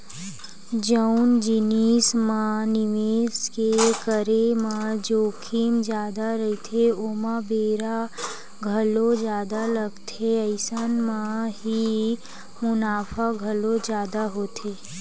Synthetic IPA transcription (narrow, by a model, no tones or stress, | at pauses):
d͡ʒəʊnd͡ʒɪniːsmãnɪʋeːskekəɾemãd͡ʒoːkʰiːmd͡ʒjaːd̪aɾəɦit̪ʰeoːmãbeːɾa | ɡʱəlod͡ʒjaːd̪aləɡt̪ʰeəɪsənmãɦi | mʊnaːfʰaɡʱəlod͡ʒjaːd̪aɦoːt̪ʰeː